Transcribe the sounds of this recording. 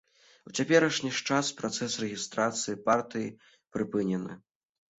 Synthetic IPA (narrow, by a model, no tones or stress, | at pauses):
ut͡sʲapʲɛɾɐʂnʲiʂt͡ʂaspɾɔt̪sɛsrɛɣʲist̪ɾat̪sɨjipart̪ɨji | pɾɨpɨnʲɛnɨ̰